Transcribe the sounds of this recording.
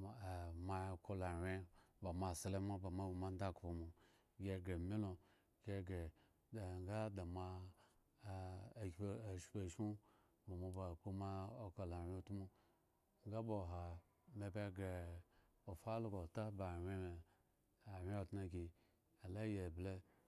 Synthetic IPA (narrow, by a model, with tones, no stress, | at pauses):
ma˨ko˧la˨wʲe˦ba˨ma˨se˨le˦ma˦ba˨ma˨ma˦n˦da˦˨kpo˨mo˨ | ɡʲe˦ɡe˨mi˦lo˨ | ɡe˦ɡe˨ | da˨ŋ˦ɡa˦da˨ma˦˨ | ʃpe˨ʃu˦ | ba˨mo˧ba˨k͡pu˦ma˦o˦ko˨la˨wʲe˦˨tu˦mu˦ | ŋ˦ɡa˦bo˨ɦa˨ | me˨be˦ɡe˨ | o˨fa˦lo˦ɡo˨ta˦ba˨wʲe˦me˨ | a˨wʲe˦o˨tna˧ɡʲi˨ | a˨la˦je˨ble˦